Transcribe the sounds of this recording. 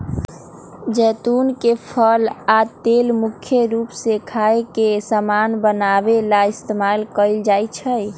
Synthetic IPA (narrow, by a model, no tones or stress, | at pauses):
d͡ʒɛt̪unkepʰəlat̪elmukʰjəɾupsekʰaekesamanbənabelaist̪emalkəɪld͡ʒajt͡ʃʰəj